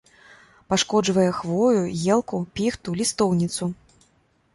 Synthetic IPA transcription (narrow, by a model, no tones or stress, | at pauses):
paʂkɔd͡ʐvɐjɛxvɔjujɛlˠkupʲixt̪ulʲist̪ɔwnʲit̪su